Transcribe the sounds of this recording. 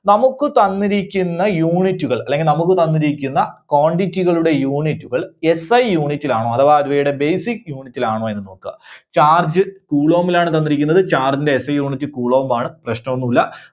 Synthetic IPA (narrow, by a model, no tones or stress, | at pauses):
nɐmukːɨt̪ɐnːiɾikʲːunːɐjuːɳitːuɣɐɭɐlːe̞ŋɡilnɐmuk̬ːɨt̪ɐnːiɾikʲːunːɐko̞ːɳɖitːiɣɐɭuɽe̞juːɳitːuɣɐɭe̞sɐjjuːɳitːilaːɳoːɐðɐʋaːɾuʋejuɽe̞bejsikːjuːɳitːilaːɳoːe̞nːɨno̞ːkːɨt͡ɕaːrd͡ʑɨkuːɭoːʋɐmilaːɳɨt̪ɐnːiɾikʲːunːɐðɨt͡ɕaːrd͡ʑinde̞esɐjjuːɳitːɨkuːɭoːʋɐmaːɳɨprɐɕnɐʋonːulːɐ